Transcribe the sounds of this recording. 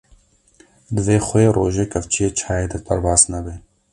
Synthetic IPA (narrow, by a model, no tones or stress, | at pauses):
d̪ɨveːxojerʔoːʒeːkɐft͡ʃʰijeːt͡ʃʰaːjeːd̪ɐpɐɾbaːz̥nɐbeː